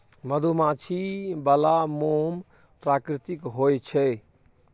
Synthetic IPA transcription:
məd̪ʱumat͡ʃʰibalamom | pɾakɾit̪ikɦojt͡ʃʰɛ

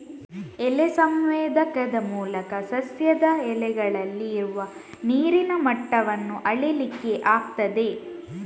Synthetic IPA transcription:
ɛlesɐmʋeːd̪ʱɐkɐd̪ɐmuːlɐkɐsɐsjɐd̪ɐɛlɛɡɐɭɐlːiːɾuʋɐ | niːɾinɐmɐʈːɐʋɐnːuʔɐɭelikːe̞ʔaːk̚t̪ɐd̪e̞

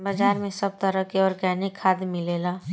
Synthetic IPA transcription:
bɐd͡ʒaːɾmẽsɐb̚t̪əɾəkeɔːɾkɛːnikʰːaːd̪mɪleːlaː

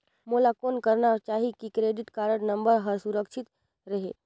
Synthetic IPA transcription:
molakonkəɾnat͡ʃaːɦikikɾeɖiʈkaɾəɽnəmbəɾɦəɾsuɾəkt͡ʃʰit̪ | ɾəɦe

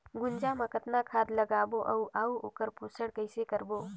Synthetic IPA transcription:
ɡʊnd͡ʒamɐ̃kət̪nakʰaːd̪ləɡaːboʔɐuʔaːuoːkəɾpuːsəɽkəɪsekəɾboː

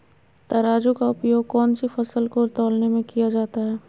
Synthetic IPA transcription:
t̪ɐɾaːd͡ʒukaʊpjoːɡ̚kɔːnsifɐsəlkoɾt̪ɔːlnemẽkijad͡ʒaːt̪aɦɛː

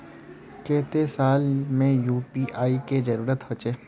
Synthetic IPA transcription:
kɛːɦt̪esaːlmẽjuːpiʔaːiked͡ʒɐɾuːɾət̪ɦot͡ʃeː

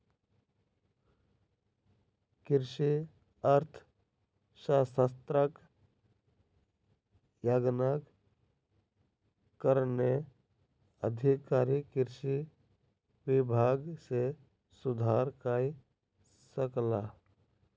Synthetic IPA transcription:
kɪɾʃi | əɾt̪ʰ | ʃasəst̪ɾək | jaɡnak | kəɾne | ə̰d̪ʱikaːɾikɪɾʃi | wɪbʱaːɡse | sʊd̪ʱaːɾkaːi | səklaː

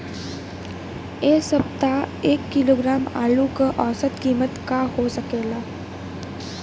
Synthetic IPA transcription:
eːsəbt̪aeːkːɪloːɡɾaːma̰ːlukəʔɔːsət̪kiːmət̪kahosəkeːɡaː

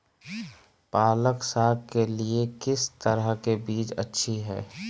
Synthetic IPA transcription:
paːləksaːɡ̚keliekɪst̪əɾəɦkebiːt͡ʃə̰tːʃʰiɦɛ̰ː

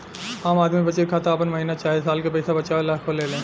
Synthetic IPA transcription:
aːmaːd̪miibɐt͡ʃːekʰaːt̪aːpənmɐɦiːnat͡ʃaːisaːlkepɛːsabɐt͡ʃalaːkʰoleːlẽː

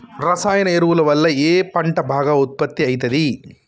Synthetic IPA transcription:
ɾɐsaːjɐnɐeɾuʋulɐʋɐlːɐeːpɐɳʈɐbʱaːɡɐut̪̚pɐt̪ːiɐjt̪ɐd̪i

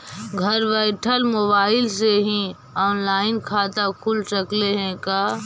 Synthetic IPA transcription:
ɡʱəɾʋɛɪʈʰəlmoβaːɪlseɦĩ | ɔːnlaːɪnkʰaːt̪akʰulsəkleɦɛ̃kaː

